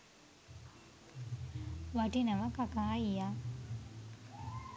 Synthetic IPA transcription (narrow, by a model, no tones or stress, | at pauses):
watinaʋakakaːija